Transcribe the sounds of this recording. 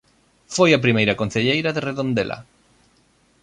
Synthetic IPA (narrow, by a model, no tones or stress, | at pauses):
fojap̬ɾimejɾakon̟θeʎejɾaðereðõnd̪elʔa̰